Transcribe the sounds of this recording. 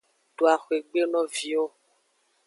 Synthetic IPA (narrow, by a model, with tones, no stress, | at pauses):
ɖo˨a˨xo˨e˨ɡ͡be˦nɔ̃˦vi˨˦o˦